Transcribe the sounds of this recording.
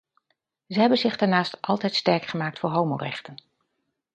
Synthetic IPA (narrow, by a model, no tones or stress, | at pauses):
zəɦɛbənzɪχdaːɹnaːstʔɑlˠtɛjtstɛɹkχəmaːk̚tfʊːɹɦowmo̰rɛχtən